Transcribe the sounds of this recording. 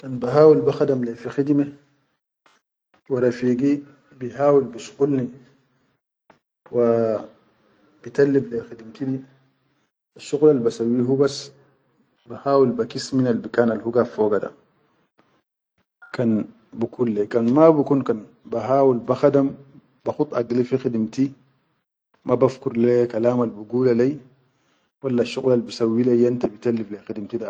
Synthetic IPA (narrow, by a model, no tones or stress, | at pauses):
kanbaɦaːwilbaxadamlefixid̪me | waɾafiːɡi | biɦaːwilbiʃu̥qulni | wa | bit̪alːiblexidimt̪idi | aʃːuɣlalbasawːiɦubas | bahaːwilbakisminalbikaːnalhuɡafoːɡada̰ | kan | bukulːekanmabukunkan | baɦaːwulbaxadam | baxut̪ˤaɡlifixidimti | mabafkuɾlekalaːmalbuɡuːlalej | walːaʃːuɣlalbisawːilejant̪abitalːiflexidmtida